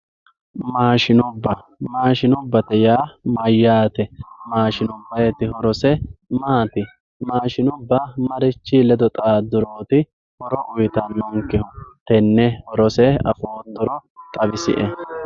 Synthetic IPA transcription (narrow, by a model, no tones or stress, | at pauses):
maːʃɪnʊbːɐ | maːʃɪnʊbːɐt̪ɛjaːmɐjːaːt̪ɛmaːʃɪnʊbːɐjɛt̪ːɪhɔɾɔsɛmaːt̪ɪ | maːʃɪnʊbːɐmɐɾɪt͡ʃːilɛd̪ɔt̪ʼaːd̪ʊɾoːt̪ɪ | hɔɾɔʔʊjt̪ɐnːɔŋkːɪhʊt̪ɛnːɛhɔɾɔsɛɐ̰foːnd̪ɔɾɔt̪ʼɐbɪsɪ̰ʔɛ